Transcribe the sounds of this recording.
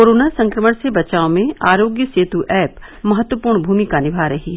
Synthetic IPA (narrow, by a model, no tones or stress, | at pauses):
koːɾoːnasɐ̃ŋkɾəməɽ̃sebɐt͡ʃaːõmẽaːɾoːɡjəseːt̪uʔɛːp | mɐɦət̪wəpuːɾɳbʱuːmikanɪbʱaːɾɐɦiɦɛ